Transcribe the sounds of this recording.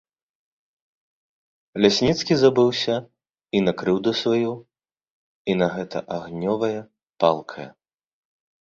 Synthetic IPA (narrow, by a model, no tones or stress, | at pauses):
lʲasʲnʲit̪skʲizabɨwsʲɐ | inɐkɾɨwd̪ɐsvaju | inɐɣɛt̪ɐ̰ʔaɣnʲɔvɐjɐ | pa̰lˠkʰɐjɐ̰